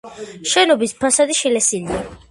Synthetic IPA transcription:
ʃɛnɔbispʰasad̪iʃilɛsilia

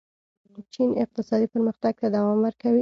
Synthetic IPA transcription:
t͡ʃinɪq̚t̪ɪsɑd̪ipəɾməxt̪aɡ̚t̪ad̪awɑmwəɾkawi

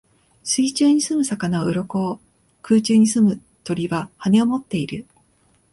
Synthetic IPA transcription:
sɨit͡ɕɨːɲ̟isɨmɯ̟sakanaoɯ̟ɾoko̞ː | kɯːt͡ɕɨːɲ̟isɨmɯ̟ | t̪o̞ɾʲiβahane̞omo̞t̪ːe̞iɾɯ̟

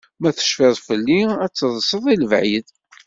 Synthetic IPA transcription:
mæθə̥ʃfɪðˤfəlːiæt͡sːəðˤəsəðˤiləvʕið

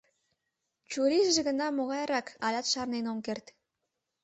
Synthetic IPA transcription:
t͡ɕuɾiʒʒĕɣə̆nɑmoɣɑjɾɑkɑlʲɑt̪ʃɑrnenomkert̪

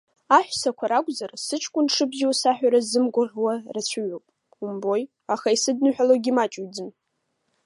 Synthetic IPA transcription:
aħᶣʷsakʷʰaɾakʷʼzarsɨt͡ʃʰʼkʷʼʊnʂʰɨbziwasaħᶣaɾazɨmɡʷaʁʲwarat͡ɕʷʰaɥowpʼ | umbo̞j | aχaisɨdnɨħᶣaloɡʲimat͡ʃʼɥd͡zɨn

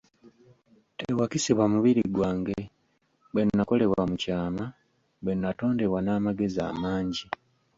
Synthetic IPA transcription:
tewakisiβwamuβiɾiɡwaːŋɡe | βwe̞nːako̞le̞βwamucaːma | we̞nːato̞ːnde̞βwanaːmaɡe̞za̰ːmaːɲɟi

